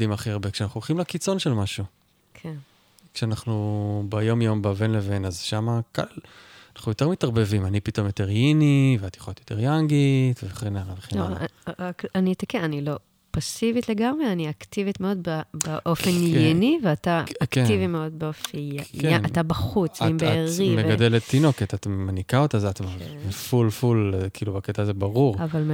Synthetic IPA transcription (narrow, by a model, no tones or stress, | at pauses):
imaχiaʁbekʃeanaχuolχimlakit͡so̞nʃelmaʃu | kʰen | kʃeanaχnubajo̞mjombavenlevenazʃamaka̰lanaχnujo̞t̪eʁmitaʁbe̞vimanipit̪o̞mjot̪eʁjiniveat̪je̥χoot̪jot̪eʁjaŋɡit̪veχenaʁaveχenakanit̪akeanilo̞ | pasivitleɡamʁeaniaktivitmeo̞d̪babeʔo̞fenjeniveataakivimeo̞d̪̚beo̞fiatabɐχut͡simeeʁimevɡad̪elettːino̞ketatmanikaotazatmavvefulfulkiilubaketaːzebaʁuʁavalm